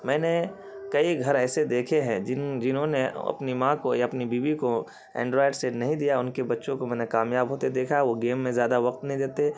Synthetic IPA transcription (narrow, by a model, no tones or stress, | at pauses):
mɛ̃ːne | kɐiɡʱɐɾɛːsed̪eːkʰeɦɛ̃d͡ʒɪd͡ʒɪnɦõneɐ̰pnimãkojaɐpnibiːʋiko | ɛ̰̃ːɳɖɾɔːɪɖsenɐɦĩd̪ijaʊnkebɐtːʃõkomɛ̃ːnekaːmjaːbɦoːt̪ed̪eːkʰaʋoɡeːmːẽzjaːd̪aʋɐq̚t̪nɐɦĩd̪eːt̪e